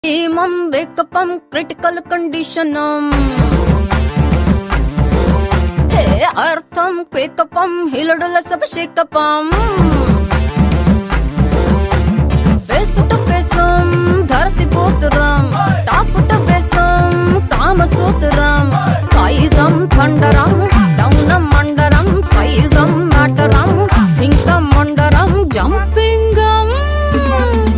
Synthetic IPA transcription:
iːmɐmʋeːkɐpɐmkɾiʈikɐlkɐɳɖiʃɐnɐm | t̪eɐɾt̪ʰɐmkʋeːkɐpɐmɦilɐɽulɐsɐbɐʃeːkːɐpɐm | ʋeːsuʈɐpeːsɐmd̪ʱɐɾt̪ipoːt̪ɾɐmʈ̪aːpuʈɐpeːsɐmt̪aːmɐsʋoːt̪ɾɐmsaːjizɐmt̪ʰɐɳɖɐɾɐmɖɐwnɐmːɐɳɖɐɾɐmsɐjizɐmːaːʈɐɾɐmɦiŋkɐːɐɳɖɐɾɐmd͡ʒɐm | piŋɡɐm

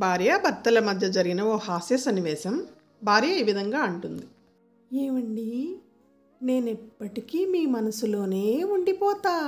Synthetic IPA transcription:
bʱaːɾjaːbʱɐɾt̪ɐlɐmɐd̪ʱjɐd͡ʒɐɾiɡinɐoːhaːsesɐnːiʋɛːsɐm | bʱaːɾjaiːʋid̪ʱɐŋɡaːuɳʈund̪i | eːʋɐɳɖi | ne̞ːnipːɐʈikiːmiːmɐnɐsulo̞ːne̞ːuɳɖipɔːt̪aː

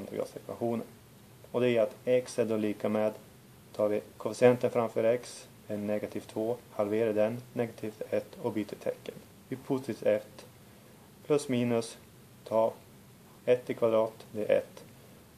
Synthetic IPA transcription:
nd̪ɾɪ̰ɡa̰sɪ̰k̪a̰ɧuːnə̰n | ɔd̪ɛjɛɾat̪ɛksɛd̪ɔliːkameːd̪ | t̪ʰɑːvɪkʰɔfɪsɪɛnt̪ənfɾamfœːɾɛks | d̪ɛnɛɡat̪ʰiːft̪ʰvoːhalveːɾaɖ̪ɛnːɛɡat̪ʰiːft̪ɛt̪ːɔbyːt̪ʰət̪ʰɛkːən | vɪpʰʊt̪ɪɛt̪ː | pʰlɵsmiːnɵs | t̪ʰɑː | ɛt̪ːɪkʰvad̪ɾɑːt̪d̪ɛʔɛ̰t̪ː

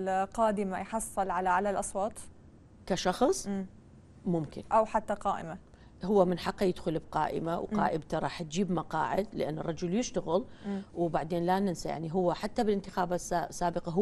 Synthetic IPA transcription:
qɑːd̪ɪmajħɑsˤːɨlʕalaʕalalʔɑsˤwɑːt̪ˤ | kaʃɑxsˤ | mʊmkɪ̰nʔawħat̪ːaqɑːʔɪ̰ma | hʊwːamɪnħɑqːɑjɪd̪xʊlɪbqɑ̰ːʔɪ̰mawqɑ̰ːʔɪbt̪aɾˤɑːħt̪̚d͡ʒiːbmɑqɑ̰ːʕɪ̰d̪lɪʔa̰nːɨ̰rˤːɑd͡ʒʊljɪʃt̪aɣɪlwbaʕd̪eːnlanɪnsaja̰ʕniɦʊwːaħat̪ːabɪlʔɪnt̪ɪxaːbasasːaːbɪqɑɦ

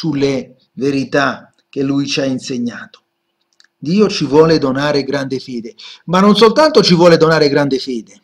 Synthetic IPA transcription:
sule | veɾit̪a | k̟ːelːujt͡ʃiainseɲːaːt̪o̥ | d̪iːot͡ʃivwɔːlɪd̪onaːɾɪɡɾand̪ɪfeːd̪ɪmanːons̬olt̪ant̪ot͡ʃivwɔːled̪onaːɾɪɡɾand̪ɪfɛːd̪ɪ

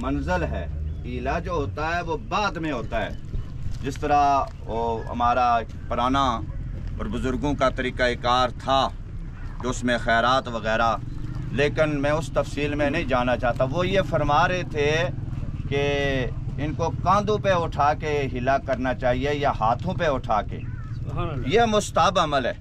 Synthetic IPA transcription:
mɐnzəlɦɛːilad͡ʒoːɦoːt̪aɦɛʋobaːd̪mẽɦoːt̪aɦɛ̰ː | d͡ʒɪst̪əɾa | oːɦɐ̰maːɾa | pʊɾaːna | ɔ̰ːɾbʊzʊɾɡõkat̪ɐɾiːkaekaːɾt̪ʰa | keʊsmẽxɛːɾaːt̪ʋɐɣɛːɾa | leːkɪnmɛ̃ːʊst̪ɐfsiːlmẽnɐɦĩd͡ʒaːnat͡ʃaːɦt̪ãʋojefɐɾmaːɾet̪ʰe | ke | ɪnkokãːnd̪õpeʊʈʰaːkeɦɪlakɐɾnat͡ʃaːɦiejaɦaːt̪ʰõpeʊʈʰaːkḛ | jemʊst̪əɦəbɐməlɦɛː

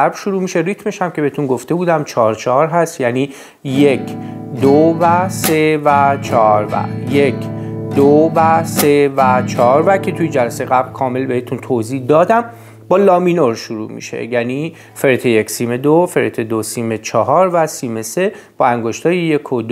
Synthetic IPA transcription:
æɾb̥ʃuɾuːmiːʃe̞rit̪ʰme̞ʃhæmcʰebe̞het̪unɡoft̪e̞buːd̪æmt͡ʃʰɒːɾt͡ʃʰɒɦɒːɾɦæst̪jæniː | jekʰd̪ovæse̞væt͡ʃʰɒɾvæ̰jekʰd̪ovæsevæt͡ʃʰɒːɾvækʰe̞t̪ʰujed͡ʒælæsejeɣæblkʰɒːme̞lbehet̪ʰunt̪ʰozihd̪ɒːd̪æm | bɒːlɒːminoɾʃuɾṵːmḭʃḛjæːni | feɾet̪ʰejecsiːmed̪ofeɾet̪ʰed̪osiːmet͡ʃʰɒɦɒːɾvæsimese̞ | b̥ɒæŋɡoʃt̪ʰɒːjejekʰod̪

